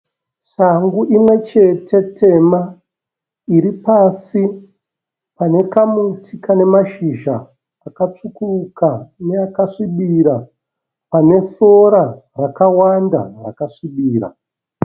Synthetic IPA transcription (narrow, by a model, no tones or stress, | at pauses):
ʂaŋɡuʔimwe̞t͡ʃe̞tʰe̞tʰe̞ma | iɾipasi | pane̞kamutʰikane̞maʃiʒaː | kat͡ʂukurukane̞akaʂiɓiɾa | pane̞so̞ɾarakawanda̰ra̰kaʂiɓiːɾa̰